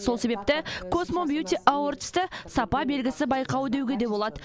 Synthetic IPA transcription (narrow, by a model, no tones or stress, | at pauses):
solˠse̞be̞p̚t̪ɪkʰo̞smombjut̪ʲiʔawoɾt̪ə̥st̪ɪsɑpɑbe̞lɡʲɪsɪbɑjqɑwəd̪ewɡʲed̪e̞bo̞lˠɑd̪ə